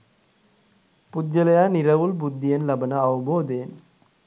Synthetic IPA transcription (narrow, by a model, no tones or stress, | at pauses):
pud̪jɐlɐjaːniɾɐʋulbud̪ʱːijɐnlɐbɐnɐɐʋɐboːd̪eːn